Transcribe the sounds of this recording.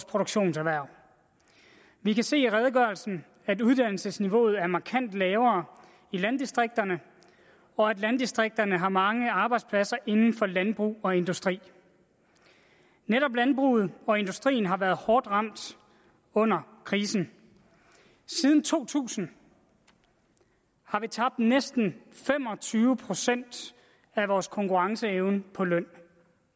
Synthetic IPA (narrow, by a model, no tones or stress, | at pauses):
spʰo̝ɾ̥oɡ̥ɕo̝̰ːnsæʋæɐ̰ | ʋikʰæse̝̰ːiʁɛð̞ˠɡ̥ɶɐlsn̩ | æduð̞ˠd̥æn̰l̩səsniʋo̝̰ːð̞̩ˠæɐmɑ̈kʰæn̰d̥lɛːʊɐː | ilænd̥isd̥ʁeɡ̥̚d̥ɐnə | ɒ̽æd̥lænd̥isd̥ʁeɡ̥̚d̥ɐnəɦɑ̈mɑ̈ŋəɑ̈ːb̥ɑ̈ɪd̥spʰlæsɐʔe̝nn̩fɒ̽lænb̥ʁṵːɒ̽e̝nd̥usd̥ʁḭː | neɾɒ̽b̥lænb̥ʁṵːð̞̩ˠɒ̽e̝nd̥usd̥ʁḭːn̩ɦɑ̈ʋæːɐð̩ˠhɒːd̥ʁɑ̈m̰d̥ | ɔ̽n̰ɐkʰʁiːsn̩ | siːð̞ˠn̩t͡sʰo̝̰ːt͡sʰṵːsn̩ | hɑ̈ʋit͡sʰɑ̈b̥̚d̥nesd̥n̩fem̰ɒ̽t͡sʰyːʊəpʰʁo̝sen̰d̥ | æʋɒːskʰɒ̽ŋkʰuʁɑ̈ŋsəeʊnəpʰɒ̽lœn̰